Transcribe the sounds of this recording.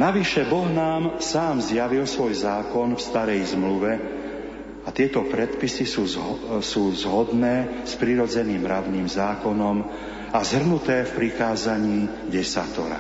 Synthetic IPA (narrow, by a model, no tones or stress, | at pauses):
naʋiʃɛbɔɦnaːmsaːmzjaʋilsʋɔjzaːkɔnfst̪aɾɛjzmluʋɛ | at̪ɪɛt̪ɔpɾɛt̪pisisuːzsuːzɦɔd̪nɛːspɾiɾɔd͡zɛniːmɾadniːmzaːkɔnɔm | azɦr̩nut̪ɛːfpɾikaːzaɲiː | ɟɛsa̰t̪ɔ̰ɾa̰